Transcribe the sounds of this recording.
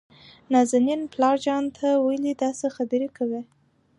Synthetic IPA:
nɑzaninplɑɾd͡ʒɑnt̪ʰawajlid̪ɑsexabaɾekawi

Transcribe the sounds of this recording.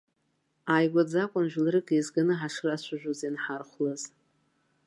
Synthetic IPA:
ajɡʷad͡zakʷʼʊnʒᶣlrɨkʼezɡanɨħaʂrasʷʰaʒʷᶣozinħarχʷlaz̥

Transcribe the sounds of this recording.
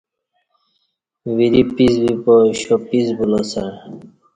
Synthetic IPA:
wiɾipizbipɔɕɔpizbulɔsa

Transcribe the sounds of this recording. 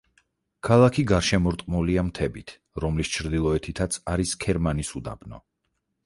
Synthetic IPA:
kʰalˠakʰiɡaɾʃɛmɔɾt̪ʼqʼmuliamt̪ʰɛbit̪ʰ | ɾɔmlist͡ʃʰɾd̪ilˠɔɛt̪ʰit̪ʰat̪sʰaɾiskʰɛɾmanisud̪a̰bnɔ̰

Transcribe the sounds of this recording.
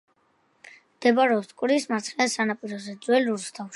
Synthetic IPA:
md̪̥ɛbaɾɛɔpskʼwɾismat̪χɛlasanapʼiɾɔzɛd̪zwɛluɾst̪ʰafʃ

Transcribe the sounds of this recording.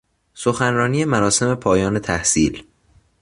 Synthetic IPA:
so̞xænɾɒːniːje̞mæɾɒːse̞me̞pʰɒːjɒːne̞t̪ʰæhsiːl

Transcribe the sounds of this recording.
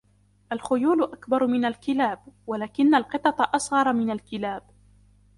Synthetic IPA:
ʔalxʊjuːlʊʔakbɑɾˤmɪnalkɪlaːbwalaːkɪnːalqɨt̪ˤɑt̪ɑʔɑsɣɑɾˤmɪnalkɪlaːb

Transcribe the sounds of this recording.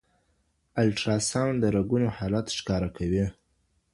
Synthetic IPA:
alʈɾɑsɑnd̪əɾaɡunohɑlat̪ʃkɑɾakʰawi

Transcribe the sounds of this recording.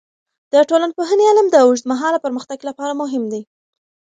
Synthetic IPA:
d̪̥əʈolanpoɦənealamd̪əwʊʒd̪maɦɑlapəɾməxt̪aɡlapɑɾamʊɦɪmd̪aj

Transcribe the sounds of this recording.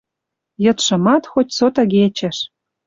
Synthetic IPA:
jɤ̆t̪ʃɤ̆mɑt̪xot̪ʲsot̪ɤ̆ɣet͡ɕĕʃ

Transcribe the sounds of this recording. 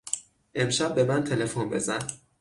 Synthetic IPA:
ʔe̞mʃæb̚ːe̞mænt̪ʰe̞lefonbezæn

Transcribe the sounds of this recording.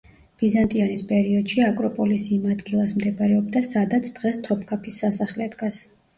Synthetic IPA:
b̥izant̪ʼianispʼɛɾiɔd̪̥ʃiakʼɾɔpʼɔlisimad̪ɡilˠasmd̪ɛbaɾɛɔbd̪asad̪at̪sʰd̪̥ʁɛst̪ʰɔpʰkʰʼapʰisːasaχlɛd̪ɡas

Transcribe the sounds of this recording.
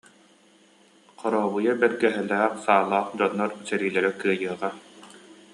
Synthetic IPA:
qʰɔɾɔːβujabɛɾɡɛɦɛlæːχsaːlˠaːχd͡ʑɔnːɔɾsɛɾiːlɛɾɛkɯɐjɯɐʁa

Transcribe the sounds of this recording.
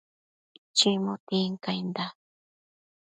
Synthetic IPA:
t͡ʃimot̪iŋkajnd̪a

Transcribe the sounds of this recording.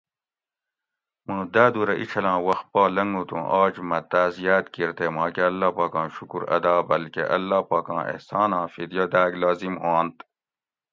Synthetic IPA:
mũːd̪aːd̪uɾɐʔiʈ͡ʂʰɐlɑ̃ːwɐxt̪̚pɑːlɐŋɡut̪ṵ̃ːʔɑːd͡ʑmɐt̪aːzijaːt̪kiɾt̪eːmãːkeɐlːaːpɑːkɑ̃ːɕukuɾɐ̰d̪aːbɐlkḛʔɐlːaːpɑːkɑ̃ːʔḛhsɑːnɑ̃ːfid̪jɐd̪aːɡlɑːzimãːnt̪

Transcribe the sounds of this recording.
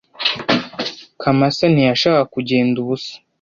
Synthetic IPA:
kʰamasanijaʃaːkakuɟe̞ːnduβusi̥

